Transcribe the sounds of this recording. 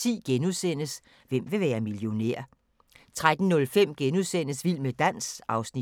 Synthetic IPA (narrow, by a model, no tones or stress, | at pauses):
ḭːɡ̥enuðˠsen̰əs | ʋem̰ʋe̝ʋæːɐmiljo̝ne̝̰ɐ̰ | t͡sʰʁad̥n̩nɔ̽lfem̰ɡ̥enuðˠsen̰əsʋil̰med̥æn̰sɑ̈ʊsni